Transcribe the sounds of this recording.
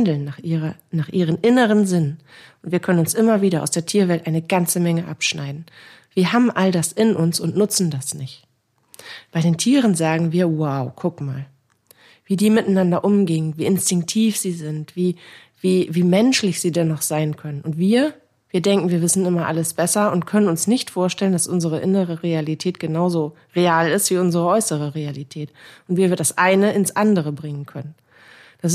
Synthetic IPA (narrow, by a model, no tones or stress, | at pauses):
ndl̩nːaːχʔiːʁɐnaːχʔiːʁ̞ənʔɪnəʁənzɪnʔʊntv̥iːɐkʰœnənʊnsʔɪmɐviːɾɐʔaʊsd̥eːɐtʰiːɐvɛltʔaɪnəɡant͡səmɛŋəʔapʃna̰ɪdn̩ | v̥iːɐɦaːbm̩ʔaldasɪnʔʊnsʊntnʊt͡sn̩dasnɪçt | b̥aɪdeːntʰiːʁənzaːɡŋ̩viːɐwaʊkʰʊkma̰ːl | viːdiːmɪtanandɐʔʊmɡeːənviːɪnstɪŋk̚tʰiːfz̥iːzɪntv̥iː | viːviːmɛnʃlɪçz̥iːdɛnːɔχz̥aɪnkʰœnənʊntv̥iːɐ | viːɐdɛŋkŋ̩viːɐvɪsn̩ɪmɐʔa̰ləsb̥ɛsɐʊntkʰœnənʊnsnɪçtfoːɐʃtɛləndasʔʊnzəʁəʔɪnəʁəʁealitʰɛːtɡ̥ənaʊzoː | ʁeaːlɪstv̥iːʊnzəʁəʔɔʏsəʁəʁealitʰɛːtʔʊntv̥iːɐviːɐdasʔaɪnəɪnsʔandəʁəbʁɪŋənkʰœnən | d̥as̬